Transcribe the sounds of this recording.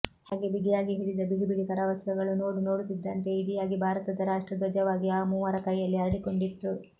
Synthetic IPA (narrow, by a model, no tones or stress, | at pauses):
haːɡe̞biɡijaːɡiɦiːɭid̪ɐbiɡibiɽikɐɾaːʋɐsjɐɡɐɭuno̞ːɽuno̞ːɽut̪id̪ːɐnt̪e̞iɽijaːɡibʱaːɾɐt̪ɐd̪ɐɾaːʂʈɾɐd̪ʋɐd͡ʒɐʋaːɡiaːmuːʋɐɾɐkɐjːɐlːiɐɾɐɽiko̞ɳɖit̪ːu